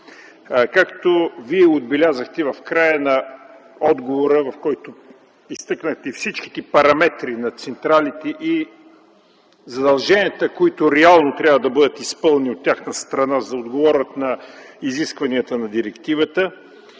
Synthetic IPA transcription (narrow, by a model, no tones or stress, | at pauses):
kakt̪oviɛod̪̚bɛlʲazəxt̪ɛvɐfkɾajənɐ | ɔd̪ɡovoɾəvɐfkɔjt̪o | ist̪ɤknəxt̪ɛifsit͡ʃk̟i̥t̪ɛpɐɾɐmɛt̪ɾinɐt̪sɛnt̪ɾalit̪ɛʔi | zɐd̪ɐlˠʒɛnʲiət̪əkoit̪ʊɾɛalˠnot̪ɾʲjabvəd̪ɐbɤd̪ət̪ispɤlˠniot̪ʲːjaxnəst̪ɾɐnazɐod̪ɡovɔɾʲət̪nɐiziskvɐniət̪ənɐd̪iɾɛkt̪ivət̪ə